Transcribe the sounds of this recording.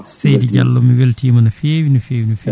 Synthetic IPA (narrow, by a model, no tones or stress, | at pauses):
sejdid͡ʒa̰lːɔmiweltiːmanafeːwinufeːwinufe